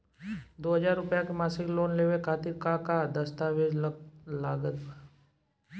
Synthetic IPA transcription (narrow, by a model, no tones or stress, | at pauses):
d̪oːɦəd͡ʒaːɾːʊpjakemaːsɪkloːnleːʋekʰaːt̪ɪɾkakad̪əst̪aʋeːd͡ʒlaːɡət̪